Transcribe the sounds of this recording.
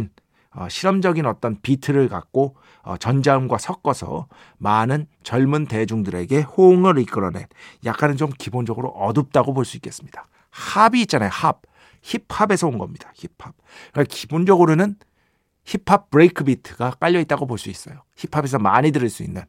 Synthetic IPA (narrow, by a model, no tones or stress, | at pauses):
n | ʌ̰ɕʰiɾʌmd͡ʑʌɡinʌt͈ʌnpitʰɯɾɯɭka̰k̚k͈o | ʌ̰t͡ɕʌnd͡ʑaɯmɡwasʰʌk͈ʌsʰʌ̰ | manɯn | t͡ɕʌɭmunte̞d͡ʑuŋdɯɾe̞ɡe̞hoŋɯɾik͈ɯɾʌne̞̰njak͈anɯnt͡ɕomkibond͡ʑʌɡɯɾo̰ʔʌdɯp̚t͈aɡopoɭs͈uik͈e̞s͈ɯmɲid̥a | habiːt̚t͡ɕ͈anajhab̚ | çipʰabe̞sʰʌonɡʌmɲid̥açipʰab̚kakibond͡ʑʌɡɯɾonɯn | çipʰap̚pɯɾekʰɯbitʰɯɡak͈aʎːʌit͈̚aɡopoɭs͈uis͈ʌjoçipʰabe̞s̬ʰʌmaɲidɯɾɯɭs͈uinːɯn